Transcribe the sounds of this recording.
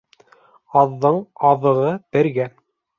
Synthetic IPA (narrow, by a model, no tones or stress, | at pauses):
ɑðːɤɴɑðɤ̆ʁɤpɘ̆ɾɡæ